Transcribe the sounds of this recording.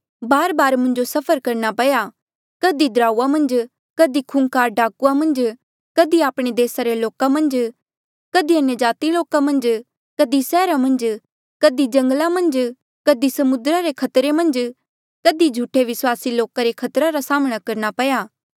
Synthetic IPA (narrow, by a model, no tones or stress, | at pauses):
baːɾbaːɾmʊ̃nd͡ʒosɐpʰəɾkɐɾnapɐja | kɐd̪id̪ɾaːuamɐ̃nd͡ʒ | kɐd̪ikʰunkaːɾɖaːkuamɐ̃nd͡ʒ | kɐd̪iaːpɽ̃ed̪eːsaɾeloːkamɐ̃nd͡ʒ | kɐd̪iɐnjəd͡ʒaːt̪iloːkamɐ̃nd͡ʒ | kəd̪isɛːɾamɐ̃nd͡ʒ | kəd̪id͡ʒɐ̃ŋɡlãmɐ̃nd͡ʒ | kəd̪isɐmʊd̪ɾaɾekʰɐt̪ɾemɐ̃nd͡ʒ | kəd̪id͡ʒʱuːʈʰeʋɪswaːsiloːkaɾekʰɐt̪ɾaɾasaːməɽ̃akɐɾnapɐjaː